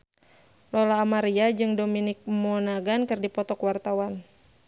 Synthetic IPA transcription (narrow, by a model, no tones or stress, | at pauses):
lɔlaːmaɾiad͡ʒɨŋdominɪk̚mɔnaɡankɨrdipɔt̪ɔkwart̪awan